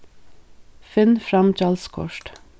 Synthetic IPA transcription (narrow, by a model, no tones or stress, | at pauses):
fɪnfɾɑmt͡ʃɑːlskʰɔ̰ʃʈ